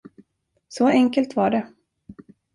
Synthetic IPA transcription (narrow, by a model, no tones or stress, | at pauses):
sɔɛŋkəlt̪vaɖɛ